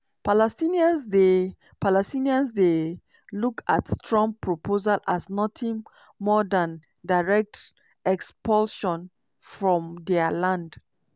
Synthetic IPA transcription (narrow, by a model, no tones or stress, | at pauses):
palɛstiniãnsde | palɛstiniãnsde | luka̰tstɹɔ̃ŋpʰɹopʰozalʔasnɔtʰĩŋ | mɔdãn | daɪɹɛk̚t | ɛkspɔlʃɔ̃n | fɹɔ̃mdɛəlãnd